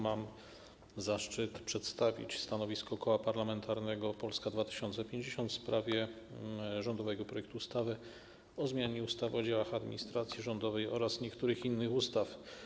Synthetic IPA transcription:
mam | zaʂt͡ʂɘt̪pʂɛt̪st̪avʲḭt͡ɕst̪anɔvʲiskɔkɔwapaɾlamɛnt̪aɾnɛɡɔpɔlskad̪vat̪ɘ̥ɕɔnt̪sɛpʲjeɲd͡ʑeɕɔnt̪spɾavʲjɛ | ʐɔnd̪ɔvɛɡɔpɾɔjɛk̚t̪uːst̪avɘ | ɔzmʲjaɲɛust̪avɔd͡ʑawaxad̪mʲḭɲist̪ɾat̪sʲjiʐɔnd̪ɔvɛjɔɾasɲɛkt̪uɾɘxinːɘxust̪af

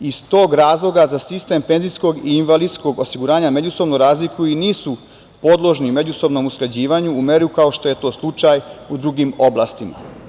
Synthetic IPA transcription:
ist̪oːɡɾaːzlˠo̞ɡazasist̪e̞mpe̞nzijsko̞ɡiːnʋalid̪sko̞ɡosiɡuɾaːɲame̞d͡ʑuso̞bnoɾaːzlikujiniːsu | po̞d̪lˠo̞ʒnime̞d͡ʑuso̞bno̞muskled͡ʑiːʋaɲuːme̞ɾukao̞ʃt̪o̞je̞t̪o̞ːslˠut͡ʃajud̪ɾuɡimo̞blˠaːst̪ima̰

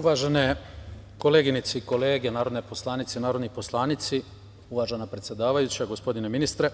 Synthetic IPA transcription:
uʋaːʒene | koleːɡinit̪siko̞le̞ːɡenaːɾo̞d̪nepo̞slˠaːnit̪sinaːɾo̞d̪nipo̞slˠaːnit̪si | uʋaːʒenapɾet̪sje̞d̪aːʋajut͡ɕaɡospo̞d̪ineminist̪ɾe

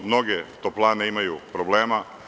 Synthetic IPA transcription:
mno̞ɡet̪oplˠaːneimajupɾobleːma

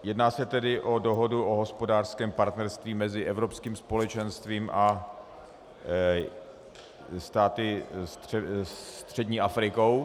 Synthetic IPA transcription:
jɛdnaːsɛt̪ɛdɪʔo̞doɦo̞duʔoɦospo̞daːrskɛːmpaɾt̪nɛɾst̪viːmɛzɪʔɛvɾopskiːmspo̞lɛt͡ʃɛnst̪viːmʔa | st̪aːt̪ɪst̪ɛt̪r̥ɛdɲiːʔafɾɪkow

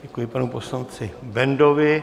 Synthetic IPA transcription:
ɟɛkujɪpanuposlant͡sɪbɛndovɪ

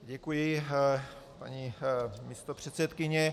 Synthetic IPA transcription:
ɟɛkujɪ | pa̰ɲimist̪opr̝̥ɛt̪sɛt̪kɪɲɛ

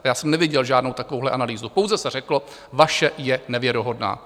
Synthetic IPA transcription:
jaːsɛmnɛvjɪɟɛlʒaːdno̞wt̪akovowɦlɛʔanaliːzupo̞wzɛsɛr̝ɛklo | vaʃɛjɛnɛvjɛɾoɦo̞dna̰ː

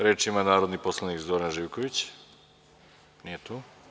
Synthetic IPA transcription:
ɾeːt͡ʃimanaːɾo̞d̪niposlˠanikzoɾanʒiːʋkoʋit͡ɕ | nijet̪uː

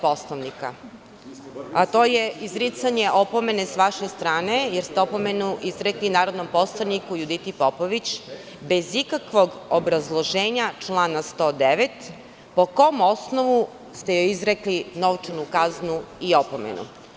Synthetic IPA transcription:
poslˠaʋnika̰ | at̪oːjeizɾit̪saɲe̞ʔo̞po̞me̞ne̞sʋaʃe̞st̪ɾaːne̞jeɾst̪eopomenuizɾeklinaːɾod̪no̞mpo̞slˠanikujud̪it̪ipopoʋit͡ɕ | be̞zikakʋo̞ɡ | obɾazlˠo̞ʒeːɲat͡ʂlˠaːnast̪o̞ːd̪eʋet̪ | po̞ko̞mo̞snoʋu | st̪ejojizɾeklinoʋt͡ʂanukaznuiopomḛnṵ

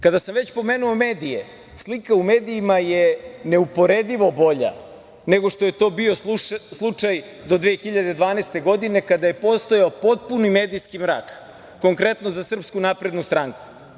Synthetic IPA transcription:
kad̪asamʋet͡ɕpo̞meːnuo̞meːd̪ijḛ | slikaumeːd̪iimajene̞upo̞ɾed̪iʋo̞bo̞ʎa̰ | neɡoʂt̪o̞je̞t̪o̞ːbio̞slˠut͡ʂaj | d̪o̞d̪ʋexiʎad̪e̞d̪ʋaːnest̪e̞ɡo̞d̪ine̞kad̪aje̞po̞st̪o̞jaopo̞t̪̚punimeːd̪ijskimɾa̰ːk | ko̞ŋkɾe̞t̪no̞zasr̩pskunapɾe̞d̪nust̪ɾaːŋku̥

